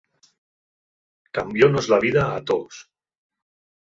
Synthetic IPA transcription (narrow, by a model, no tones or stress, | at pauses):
kambjonozlaβ̞iðaːt̪os